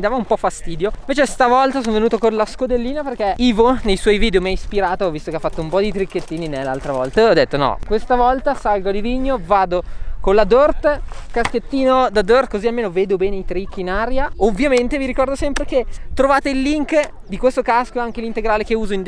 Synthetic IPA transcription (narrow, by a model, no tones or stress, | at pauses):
mid̪aːvaumpɔfast̪iːd̪joiveːt͡ʃest̪avɔlt̪asoːnvenuːt̪okonlaskod̪elːiːnaperk̟eiːvonejswɔjviːd̪eomiaispiɾaːt̪ovist̪okeafːat̪ːoumpɔd̪it̪ɾikːet̪ːiːninelːa̰lt̪ɾavɔlt̪aɔd̪ːet̪ːonɔ̰kwest̪avɔlt̪asalɡod̪iviɲːovaːd̪okonlad̪ort̪kasket̪ːiːnod̪ad̪ort̪̚kozialmeːnoveːd̪obɛːneit̪ɾikːinaɾjaovːjament̪eviɾikɔrd̪osɛmpɾek̟et̪ːɾovaːt̪eilːiŋk | d̪ikwest̪okaskoaŋk̟elint̪eɡɾaːlekeuːzoind̪